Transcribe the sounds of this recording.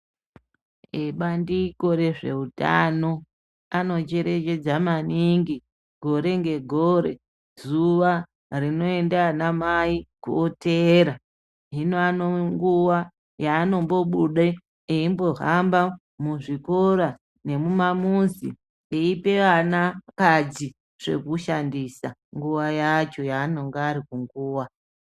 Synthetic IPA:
eɓandiko̞ɾe̞ʐe̞uta̰no̞ | ano̞t͡ʃe̞ɾe̞t͡ʃe̞d͡zamaniŋɡi | ɡʱo̞ɾe̞ŋɡe̞ɡʱoɾe̞̰ | zuʋa | rino̞e̞ndanamaikuoteɾa | ɦinoanoŋɡuwa | jaːno̞mbo̞ɓuɗe | eimbo̞ɦamba | muʐiko̞ɾa | ne̞mumamunzḭ | eipe̞ʋanakad͡zi | ʐ̥e̞̰kuʃandisaŋɡuʋajat͡ʃo̞jaːno̞ŋɡaːɾikuŋɡuːwa

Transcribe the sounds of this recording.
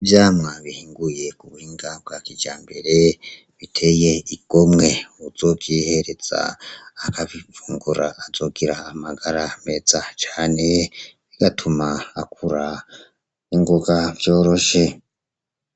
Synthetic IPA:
vjaːmŋaβihiːŋɡuje̞kuβuhiːŋɡab̚ɡaːkid͡ʒaːmbe̞ɾe̞ | βitʰejeiɡ̥o̞mŋe̞uzo̞kihe̞ɾe̞z̥a̰ːkaβivuːŋɡuɾaʔːzo̞ɡiɾaːmaɡaɾame̞zat͡ʃaːne̞βiɡ̥atʰumaːkʰuɾa | iŋɡoɡavjo̞ːɾo̞ʃe̞

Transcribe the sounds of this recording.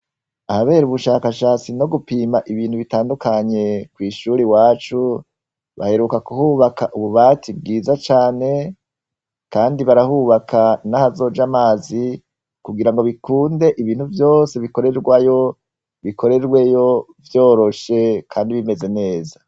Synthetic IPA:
ahaβe̞ːɾuβuʃaːkaʃaːt͡sino̞ɡupiːmaʔiβiːn̥huβitaːndukaɲe̞kwiːʃuɾiwaːt͡ʃu | βa̰he̞ɾukakuhuːβakaʔuβuβaːtʰib̚ɡiːzat͡ʃaːne̞ | kaːndiβaɾahuːβakʰanahazo̞ːd͡ʒamaːzi | kuɡiɾaŋɡo̞βikuːnde̞ʔiβiːn̥huvjo̞ːse̞βiko̞ɾe̞ɾɡwajo̞ | βikʰo̞ɾe̞ɾɡwe̞jo̞vjo̞ːɾo̞ʃe̞kʰaːndiβime̞ze̞ne̞ːza

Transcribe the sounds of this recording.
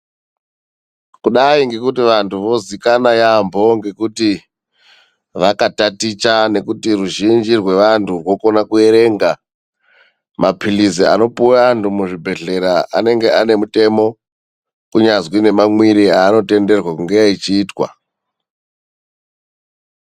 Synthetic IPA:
kuɗaiŋɡe̞kutiʋantʰuʋo̞zikanajambʱo̞ŋɡe̞kuti | ʋakatatit͡ʃane̞kutiruʒind͡ʒirwe̞ʋantʰurwo̞ko̞nakue̞ɾe̞ŋɡa | mapʰilizia̰no̞puantumuʐibʱe̞ɮe̞ɾaʔa̰ne̞ŋɡe̞ane̞mute̞mo̞ | kuɲazwine̞mamwiɾiaːno̞te̞nde̞rwakuŋɡeait͡ʃiːtwa̰

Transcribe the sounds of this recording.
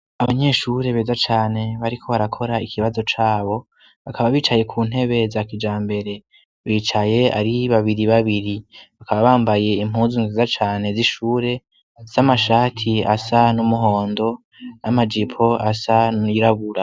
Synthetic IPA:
aβaɲe̞ːʃuɾe̞βe̞ːzat͡ʃaːne̞βaɾikʰo̞βaɾakʰo̞ɾaikʰiβazo̞t͡ʃaːβo̞ | βakʰaβaβiːt͡ʃaje̞kʰuːn̥ɦe̞βe̞zakid͡ʒaːmbe̞ɾe̞ | βiːt͡ʃaje̞a̰ɾiβaβiɾiβaβiɾiβakʰaβaβaːmbaje̞im̥ɦuːzinzizat͡ʃaːne̞ziʃuːɾe̞ | samaʃaːtʰia̰sanumuɦo̞ːndo̞ | amad͡ʒipʰo̞asaiɾaβuɾa

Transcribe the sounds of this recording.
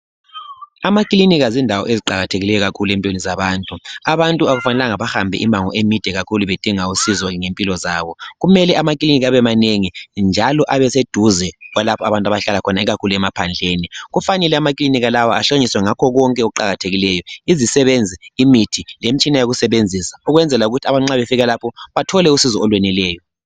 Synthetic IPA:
amakʼiliniɣazindʱawɔ̰ʔeziǃaɣatʰeɣilɛjɔɣakʰuluempʼionizaβaːntʼuaβantʼuaɣufanɛlaŋaβaxambʱɛ̰ʔimaŋɔ̰ʔemid̥ʱɛɣakʰuluβed̥ʱiŋausizɔŋempʼilɔzaːβɔɣumɛlɛamak̬ʼiliniɣaβɛmaneŋind͡ʒʱalɔʔaβɛsed̥ʱuzɛɣwalapʰɔaβantʼaβaɬalakʰɔnaiɣakʰuluɛmapʰand͡ɮʱeːniɣufanɛlɛamakʼiliniɣalawaaɬoɲiswɛŋakʰɔɣɔŋkʼɛouǃa̰ɣatʰeɣilɛjɔizisɛβend͡zʱiimitʰilemit͡ʃʼinajoɣusɛβend͡zʱisḁuɣwɛnd͡zʱɛlauɣutʰiaβaŋ͡ǀaβefiɣalapʰɔβatʰɔlɛusizɔːlwɛnilɛːjɔ

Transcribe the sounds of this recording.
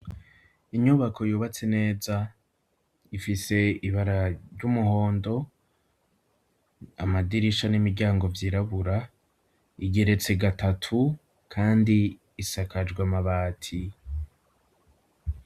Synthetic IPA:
iɲuβakʰo̞juːβat͡se̞ne̞ːza | ifise̞iβaɾaɾɟumuɦo̞ːndo̞ | amadiɾiʃanimiɾɟaːŋɡo̞vjiːɾaβuɾa | iɡe̞ɾe̞t͡se̞ɡatʰatʰu | kʰaːndiː | sakad͡ʒɡwamaβaːtʰi

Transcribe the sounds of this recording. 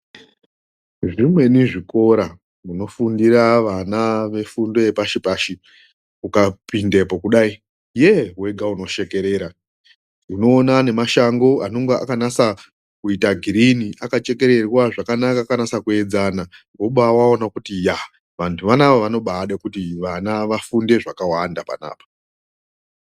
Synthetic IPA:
ʐimwe̞niʐiko̞ɾa | muno̞fundiɾaʋanaʋe̞fundo̞epaʃipaʃi | ukapindepo̞kuɗai | jeɦwe̞ɡʱauno̞ʃe̞ke̞ɾe̞ːɾa | uno̞ːnane̞maʃaŋɡo̞ano̞ŋɡea̰kanasa | kuitaɡʱiɾiniʔakat͡ʃe̞ke̞ɾe̞rwaʐakanakaːkanasakue̞d͡zana | ɡoɓawaonakutija | ʋantʰuʋanaʋoʋano̞ɓaɗekutiʋanaʋafunde̞ʐakawandapa̰na̰ːpḁ

